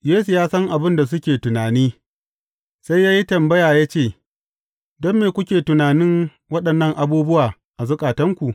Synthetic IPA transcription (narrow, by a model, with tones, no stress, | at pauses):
jeː˦su˨jaː˦sɐ˦ŋʔa˨bɪ˦nda˨s̬ʊ˦kʲeː˨tʊ˨naː˨niː˦ | sa˦jːaː˦ji˦tɐ˨mbɐ˦jaː˨ja˦t͡ʃeː˦˨ | dɔ˦mːeː˨kʷʊ˦kʲeː˨tʊ˨naː˨nɪ˦ŋ | wɐ˦ɗɐ˨nːɐ˦˨ŋʔa˨buː˦bʊ˦waː˨ | ʔa˨zʊ˦kʼaː˨tɐ˦ŋkʷu˨ʔ